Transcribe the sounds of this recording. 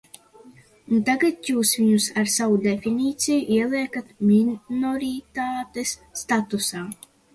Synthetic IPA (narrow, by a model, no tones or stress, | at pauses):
unt̪aɡat̪juːsviɲusaɾsavud̪efiniːt̪sijuʔiɛlˠiɛkat̪minɔɾit̪aːt̪esːt̪at̪usaː